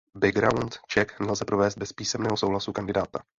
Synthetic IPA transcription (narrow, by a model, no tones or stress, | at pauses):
bɪɡɾawnt̪t͡ʃɛknɛlzɛpɾo̞vɛːst̪̚bɛspiːsɛmnɛːɦosowɦlasukandɪdaːt̪a